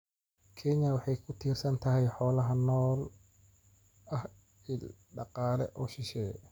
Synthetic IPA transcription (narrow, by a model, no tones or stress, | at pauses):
kʰɛɲɐwɑħɑjkʰʊt̪ʰiːrsɐnt̪ʰɐɦɛjħɔːlɐɦɐnɔːl | ɐh | ɪlɖɑqɑːlɛ̰ʔɔːʃɪʃɛː